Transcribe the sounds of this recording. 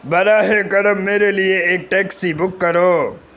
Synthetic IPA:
bɐɾaːɦekɐɾəmːeːɾelijeeːk̚ʈeːksibʊkːɐɾoː

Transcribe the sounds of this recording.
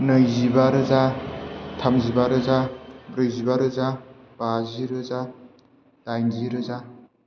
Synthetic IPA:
nɯjzibaɾɯza | tʰamzibaɾɯzabɾɯjzibaɾɯza | b̥aziɾɯza | d̥ajnziɾɯza

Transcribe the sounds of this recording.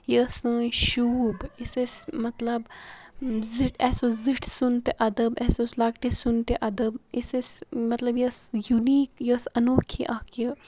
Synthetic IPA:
jəsə̃ʃuːbɪsesmɐt̪lɐb | zɪʈɛːsozɪʈʰsunt̪eʔɐd̪əbɛːsoslɐkʈesʊnt̪eʔɐd̪əbisesmɐt̪lɐbjəsjuniːkjəsɐnoːkʰiʔaːkə

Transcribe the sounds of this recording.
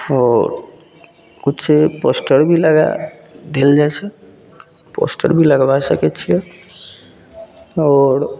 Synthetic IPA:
ɔːɾ | kutːseposʈəɾbʱiləɡa̰d̪eld͡ʒajt͡ʃʰɛ | po̰sʈə̰ɾbʱiləɡbasəkɛt͡ʃʰijɛ | ɔːɾ

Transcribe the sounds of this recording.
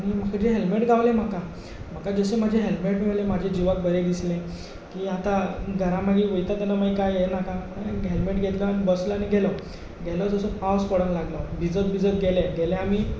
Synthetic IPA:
aɽ̃imakəd͡ʑeɦelmeʈɡʱaʋlẽm̤aka | m̤əkad͡zəɕem̤ad͡ʑʱeɦelmeʈmelẽmad͡ʑʱed͡ʑiʋak̚bəɾeɡ̪islẽ | kiat̪aɡʱəɾãmaɡiʋəjt̪at̪anamajkajenakãməɡɦelmeʈɡʱet̪ɡanbəsləañiɡʱɛlɔ | ɡʱɛlɔd͡zəsəpawskɔɽənlaɡlɔbʱid͡zət̪̚bʱid͡zət̪ɡʱeleɡɛlẽamiː

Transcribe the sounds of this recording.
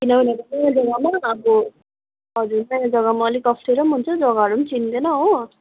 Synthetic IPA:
kinʌɦulet̪ʌnʌjad͡zʌɡamaːbo | ɦʌd͡zuɾnʌjad͡zʌɡamaːlikʌsʈʰeɾʌmɦunt͡sʰʌd͡zʌɡaɦʌɾumt͡sind̪enʌɦo

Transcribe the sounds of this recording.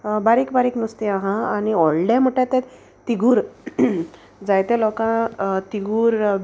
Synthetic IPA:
baɾikbaɾiknəst̪iaɦãaniɔɭɖɛ̃m̤uʈãt̪ɛ̃ | t̪iɡuːɾ | d͡zajt̪ɛ̃lɔkãt̪iɡuːɾ

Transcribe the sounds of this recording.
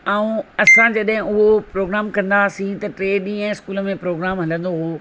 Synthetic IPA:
ɛũɐsãd͡ʑɐɗɦɪ̃ʊɦopɾoːɡɾaːmkɐ̃nd̪asĩt̪ɐʈɾeːɗĩɛ̃ːɪskuːləmẽpɾoːɡɾaːmɦɐlə̃nd̪oɦoː

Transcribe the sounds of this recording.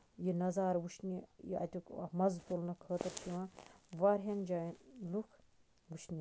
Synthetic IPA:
jinɐzaːɾʋuʃnijḭʔɐ̰t̪ʲukmɐzt̪olnɐkʰəːt̪ɐɾt͡ʃʰiʋãːʋaɾɦɐnd͡ʒaːlukʰ | ʋuʃni

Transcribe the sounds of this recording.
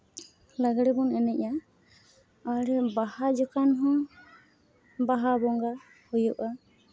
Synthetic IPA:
laɡɽɛbɔnɛnɛc̚a | aɾɛbahad͡ʒɔkanɦɔ̃ | baɦabɔŋɡa | hujɔʔa

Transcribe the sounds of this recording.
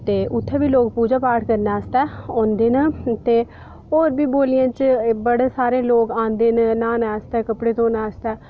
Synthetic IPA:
t̪eːʔʊt̪ʰːɛːbiːloːk̚puːd͡ʒaːpaːʈʰkəɾnaːst̪ɛːɔ̃ːnd̪eːnət̪eː | ɦoːɾbiːboːlɪjãːt͡ʃbəɽeːsaːɾeːloːkãːnd̪eːnənaːnɛːst̪ɛːkəpɽeːt̪õːnaːəst̪ɛː

